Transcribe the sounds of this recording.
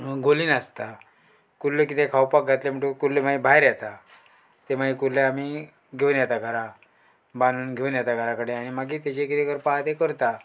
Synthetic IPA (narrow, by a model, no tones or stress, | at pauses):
ɡoliːnast̪a | kullek̬it̪ekʰawpak̚ɡʱat̪lem̤əɳʈukullːemaibʱajɾjat̪a | t̪emaikullːeamiː | ɡʱewnjat̪aɡʱəɾa | banuːnɡʱewnjat̪aɡʱəɾakəɽeaɽ̃imaɡiːt̪et͡ɕekit̪ekəɾpaɦat̪ekəɾt̪a